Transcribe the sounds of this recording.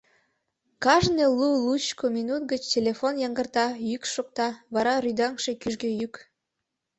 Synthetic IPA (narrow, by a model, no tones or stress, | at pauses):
kɑʒnelulut͡ɕkominut̪̚ɡət͡ɕtʲelʲefonjɑŋɡərt̪ɑjykʃok̚t̪ɑβɑɾɑɾyd̪ɑŋʃekyʒɡøjyk